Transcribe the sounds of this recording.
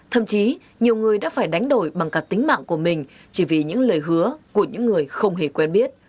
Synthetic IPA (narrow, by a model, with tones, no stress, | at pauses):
t̪ʰə̰˧˨mt͡ɕi˨˦ | ɲi˨˩əwŋɨ˨˩əjɗa̰ː˧˥faː˧˩jɗa˨˦jŋ̟ɗo˧˩jɓa˨˩ŋka˦˩k̚t̪ï˨˦ŋ̟ma̰ː˧˨ŋku˧˩əmï˨˩ŋ̟ | t͡ɕi˧˩vi˨˩ɲɨ̰˧˥ŋləː˨˩jɦɨ˨˦əku˧˩əɲɨ̰˧˥ŋːɨ˨˩əjxə˧wŋ͡mɦe˧˩kwɛ˧nɓi˦˥ət̚